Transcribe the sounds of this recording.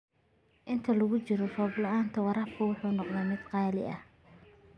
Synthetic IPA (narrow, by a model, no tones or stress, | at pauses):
ʔɪnt̪ʰɐlɐɣʊt͡ʃɪɾɔrɔːblɐaːnt̪ʰɐwɑɾaːpkʰʊwʊħuːnɔqnɛjmɪd̪qɑːlɪ̰ʔɐh